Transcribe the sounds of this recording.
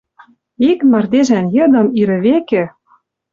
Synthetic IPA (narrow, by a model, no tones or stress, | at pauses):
ikmɑrd̪eʒænjɤ̆d̪ɤ̆miɾɘ̆βekɘ̆